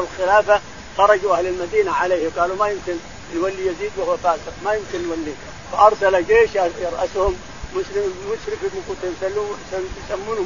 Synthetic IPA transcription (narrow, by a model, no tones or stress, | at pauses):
lxɪlaːfa | xɑɾˤɑd͡ʒuʔahlɪlmad̪iːnaʕaleːhɡɑːlumajɪmkɪn | nwalːijaziːd̪wahʊwafaːsɪqmajʊmkɪnnwalːiːn | faʔɑɾˤsalad͡ʒeːʃjɑɾˤʔashʊmː | ʊʃɾɪmʊʃɾɪfimʊkuːt̪hsaːjsamːuːnʊ